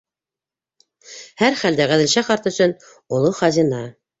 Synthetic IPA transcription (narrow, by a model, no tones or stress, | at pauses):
hæɾχæld̪æʁæðɘ̆lʃæχɑɾt̪ɵ̆sɵn | ulˠoχɑzinɑ